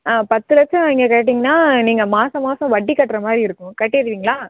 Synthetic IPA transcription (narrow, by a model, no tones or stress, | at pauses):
aːpɐt̪ːɯlɐt͡ʃːɐ̃ɪŋɡɐkeːʈ̬ːiːŋɡɐnːaːniːŋɡɐmaːsɐ̃maːsɐ̃ʋɐʈːikːɐʈːɾɐmaːd̪ɾiɪɾɯkːʊ̃kɐʈːeɐɾɯʋiːŋɡɐɭaː